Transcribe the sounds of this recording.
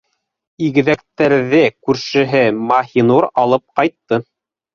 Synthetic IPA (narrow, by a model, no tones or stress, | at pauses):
iɡɘ̆ðæk̚t̪æɾðɘkʉɾʃɘ̆ɦɘmɑhinuɾɑlˠɤp̚qɑjt̪ːɤ